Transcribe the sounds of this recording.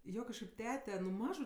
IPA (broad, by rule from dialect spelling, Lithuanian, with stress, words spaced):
ˈjoː kɐʃˈkɐɪp ˈtʲæːtʲɛ nʊ ˈmɑːʒʊ